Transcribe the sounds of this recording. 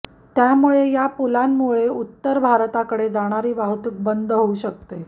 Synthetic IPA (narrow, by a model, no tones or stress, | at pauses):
t̪jamuɭejapulanmuɭeut̪ːəɾbʱaɾt̪akəɽed͡zaɽ̃aɾiːʋaɦt̪uk̚bənd̪ʱɦouɕək̚t̪e